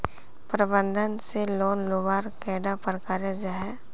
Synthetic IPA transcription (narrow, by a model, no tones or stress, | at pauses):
pɾəbə̃nd̪ʱənseloːnloʋaːɾkɛːɖapəɾkaːɾed͡ʒaɦɛ